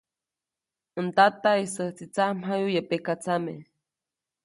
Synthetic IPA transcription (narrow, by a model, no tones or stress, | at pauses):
ənt̪at̪aisəht͡sit͡sam̥ɦajujepekat͡same